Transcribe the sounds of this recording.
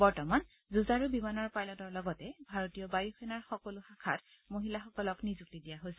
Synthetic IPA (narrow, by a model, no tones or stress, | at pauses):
bɔɹtɔman | zuzaɹubimanɔɹpajlɔtɔɹlɔɡɔtɛbʱaɹotijɔbajuxʰɛnaɹxɔkolʊxakʰat | moɦilaxɔkɔlɔknizuk̚tidijaɦojsɛ